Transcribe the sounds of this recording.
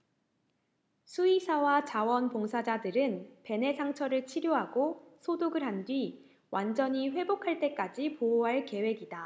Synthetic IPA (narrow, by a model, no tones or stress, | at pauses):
sʰuisʰawat͡ɕawʌnpoŋsʰad͡ʑadɯɾɯnpe̞ne̞sʰaŋt͡ɕʰʌɾɯɭt͡ɕʰiɾjoɦaɡosʰodoɡɯɭɦandɥi | wʔand͡ʑʌɲiɸwe̞bokʰaɭt͈e̞k͈ad͡ʑipooɦaɭke̞we̞ɡida